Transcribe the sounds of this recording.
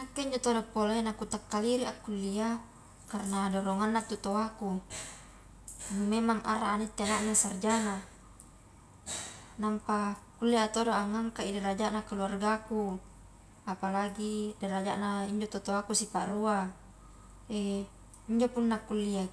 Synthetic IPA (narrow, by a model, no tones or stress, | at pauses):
nakːeiɲd͡ʒot̪odopːolanakut̪akːaliɾiʔakːulːia | karnadoɾɔŋanːat̪ut̪oaku | numemaŋʔa̰ɾaːnit̪ːenaʔnasard͡ʒaŋa | nampakulːiat̪odoʔaŋaŋkaidɛɾad͡ʒaʔnakaluarɡaku | apalaɡideɾad͡ʒaʔnaiɲd͡ʒot̪ot̪oakusipaʔrua | e | iɲd͡ʒopunːakːulːia